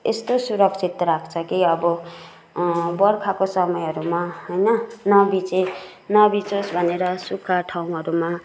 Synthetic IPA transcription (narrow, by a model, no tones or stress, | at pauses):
est̪osuɾʌkt͡sʰit̪ɾakʰt͡sʰʌkiʌbʌ | bʌrkʰakosʌmʌjʌɾumaɦʌjnʌnʌbit͡se | nʌbit͡sosbʱʌneɾʌsukʰːaʈʰaw̃ɦʌɾuma